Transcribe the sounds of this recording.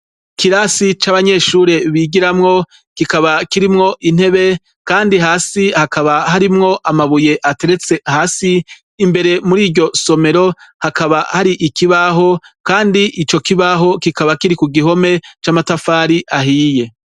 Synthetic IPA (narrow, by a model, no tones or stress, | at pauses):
kiɾasit͡ʃaβaɲe̞ːʃuːɾe̞βiːɡiɾamŋo̞ | kikaβakiɾimŋo̞ʔin̥he̞βe̞ | kaːndiɦaːsihakaβaɦaɾimŋo̞ʔamaβuje̞ʔate̞ɾe̞t͡se̞haːsiː | mbe̞ɾe̞muɾiːɾɟo̞so̞me̞ɾo̞hakaβahaɾiʔikiβaɦo̞kaːndiʔit͡ʃo̞kiβaɦo̞kikaβakiɾikuɡiɦo̞me̞t͡ʃamatafaːɾiʔaɦiːje̞